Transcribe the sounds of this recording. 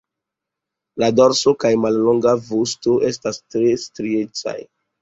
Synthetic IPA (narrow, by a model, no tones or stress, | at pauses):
ladoɾsokajmalloŋɡavostoʔe̞stastɾestɾiet͡sa̰j